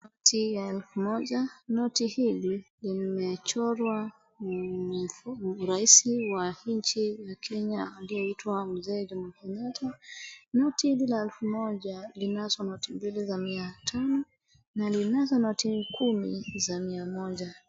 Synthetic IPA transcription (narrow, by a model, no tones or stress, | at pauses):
nɔtʰijaɛlfumɔʄanɔtihililimɛt͡ʃɔɾwa | fɾaisiwahiɲt͡ʃijakʰɛɲaːliɔitwam̩zɛːd͡ʒamakɛɲatʰanɔtihililaɛlfumɔʄalinaswanɔtimbilizamiatʰanɔ | nalinaswanɔtikʰumizamiamɔʄa